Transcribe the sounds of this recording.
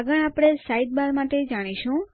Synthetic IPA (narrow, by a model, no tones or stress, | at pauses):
ɡəɳ̃apɽ̃esaid̪̚balmaʈed͡ʒaɽ̃iʃũ